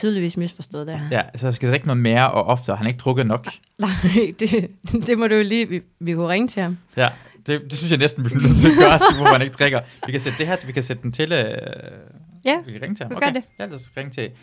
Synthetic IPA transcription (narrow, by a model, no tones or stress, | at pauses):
t͡sʰyːðˠliʋḭːsmisfɒsd̥ɔ̽ːð̩ˠd̥ejæsɒjɑsɡ̥æd̥ʁeɡ̥nɔ̽ð̩ˠme̝ːɐʔɒʔɒ̽fd̥əhænɐe̝ɡ̥̚d̥ʰʁɔɡ̥ð̩ˠnɒ̽ɡ̥ | nɑd̥e̝d̥e̝mɔd̥ejoliːʋiʋikʰuʁɛŋət͡sʰe̝hɑmjæ | d̥e̝d̥e̝synsjɑɪnesd̥n̩ʋi̥eɡɶɐsiʋɒfhæneɡ̥̚d̥ʁɛɡ̥ɐʋikʰæsed̥əd̥e̝ɦæɐt͡sʰʋikʰæsed̥əd̥ent͡sʰe̝l | jæʋikʰæʁɛŋət͡sʰe̝hɑmoɡɐdejæ̥ʁɛŋət͡sʰe̝̥e